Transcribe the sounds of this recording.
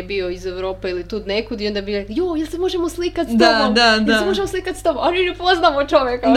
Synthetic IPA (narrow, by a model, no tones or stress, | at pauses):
bioizeʋɾo̞ːpeilit̪uːd̪nekud̪iond̪abiɾekjojelˠsemo̞ʒemoslikat̪sdt̪omod̪aelseoʒemoslikat̪st̪omoʔoninɛpoznamot͡ʃoʋjeka